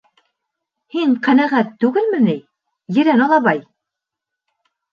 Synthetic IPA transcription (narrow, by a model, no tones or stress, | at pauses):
hiɴqænæʁæt̪ːʉɡɘlmɘ̆nɘj | jɘ̆ɾænɑlˠɑβɑj